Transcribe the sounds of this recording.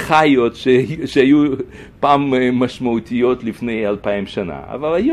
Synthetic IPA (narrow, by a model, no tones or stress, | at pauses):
χajotʃeʃeaju | paːmːaʃmaut̪ʰijot̪lifnejalpaimʃana̰a̰valaju